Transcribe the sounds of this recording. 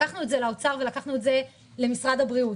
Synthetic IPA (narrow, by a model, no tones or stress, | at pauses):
aχnuetzelao̞t͡saʁve̞lakaχnuetze̞ | le̞misʁad̪habʁiu